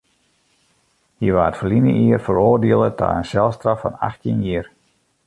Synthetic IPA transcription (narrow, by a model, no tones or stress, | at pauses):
hiʋaːətfərlinə̰ʔiərfəɾoːrdeəlˠətʰa̰ːənsɛlˠstrɑfɔ̰na̰xtinjiər